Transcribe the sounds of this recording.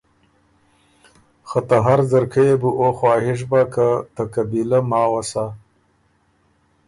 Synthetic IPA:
xat̪aɦaɾzəɾkʰəjebuʔoxwɑːhɪʂ̬bakat̪akabilamɑːwasa

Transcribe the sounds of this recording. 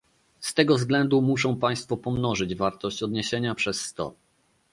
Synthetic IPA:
st̪ɛɡɔvzɡlɛnd̪umuʂɔ̃w̃paj̃st̪fɔpɔmnɔʐɘd͡ʑvaɾt̪ɔɕt͡ɕɔd̪ɲeɕeɲapʂɛsːt̪ɔ̰

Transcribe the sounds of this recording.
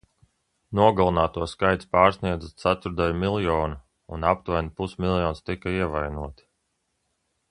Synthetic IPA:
nuɔɡalˠunaːt̪uɔskajt̪spaːɾsniɛd̪zat̪sat̪uɾd̪ajumilˠjɔːnu | unap̚t̪vajnipusmilˠjɔːnst̪ikaiɛvajnuɔt̪

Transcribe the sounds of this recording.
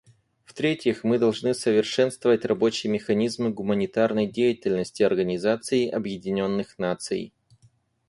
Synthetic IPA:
ft̪ɾʲetʲjɪxmɨd̪ɐlˠʐnɨsəvʲɪrʂɛnst̪vəvətʲrɐbo̞t͡ɕɪjəmʲɪxɐnʲizmɨɡʊmənʲɪt̪arnəjdʲejɪtʲɪlʲnəsʲtʲɪɐrɡənʲɪzat̪sɨɪʔɐbjɪdʲɪnʲo̞nːɨxnat̪sɨ̰j

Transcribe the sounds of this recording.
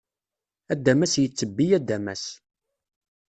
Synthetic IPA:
æd̪ːæmæsjət͡sːəbːijæd̪ːæmæ̰s

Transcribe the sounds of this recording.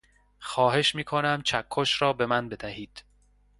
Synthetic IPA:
xɒːɦe̞ʃmiːkʰonæmt͡ʃʰækʰːoʃɾɒːbe̞mænbe̞d̪æhiːd̪̥

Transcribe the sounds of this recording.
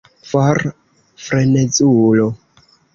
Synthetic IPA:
faɾ | fɾenet͡sulo

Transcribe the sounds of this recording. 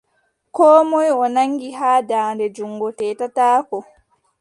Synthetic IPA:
kɔːmɔjɔnaŋɡiɦaːdaːndɛd͡ʒuŋɡɔtɛːtataːkɔ

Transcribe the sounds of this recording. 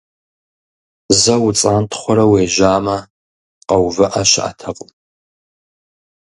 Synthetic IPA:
zɐwt͡sʼaːntʰχʷɔɾɐweːʒaːmɐ | qɐwvɨʔaʃɪʔa̰tʰɐqʼʊm

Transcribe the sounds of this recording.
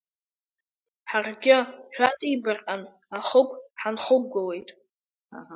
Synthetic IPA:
ħarɡʲɪħʷᶣat͡sʼibɨrqʼan | aχəkʷʼħanχʷʊɡowe̞jtʼ

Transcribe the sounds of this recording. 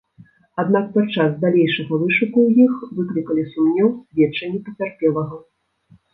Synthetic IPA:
ad̪nak̚pat͡ʂazd̪alʲejʂɐɣɐvɨʂukuwjixvɨklʲikɐlʲisumnʲɛwvʲɛt͡ʂːɐnʲɛpɐt͡sʲarpʲɛlˠɐɣɐ

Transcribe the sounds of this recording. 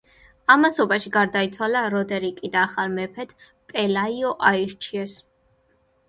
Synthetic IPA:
amasɔbaʃiɡaɾd̪ait̪sʰwalaɾɔd̪ɛɾikʼid̪aːχalmɛpʰɛt̪ʰ | pʼɛlaiɔʔaiɾt͡ʃʰiɛs

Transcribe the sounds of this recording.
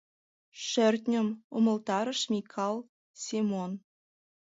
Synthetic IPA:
ʃɘ̆rʲt̪ʲnʲə̆momɤ̆lˠt̪ɑɾɤ̆ʃmʲikʰɑlˠ | sʲemon

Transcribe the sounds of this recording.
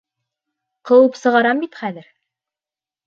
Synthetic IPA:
qɤ̆wɤpsɤ̆ʁɑɾɑmbit̪χæðɘɾ

